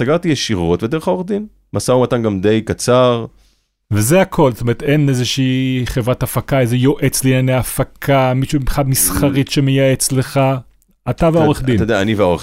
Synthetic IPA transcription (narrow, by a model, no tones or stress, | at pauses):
saɡaʁt̪ijeʃiʁo̞t̪ved̪eʁeχaoeχd̪in | masaumat̪anɡamd̪e̞jkat͡saʁ | vezeakʰo̞lzot̪ome̞ʁet̪e̞nezeʃiːχevʁat̪afakaezejo̞ʔe̞t͡slinanejafakʰamiʃuχad̪misχaʁit̪ʃe̞me̞jae̞t͡sle̞χa | at̪aveo̞eχd̪itodeaaniveoe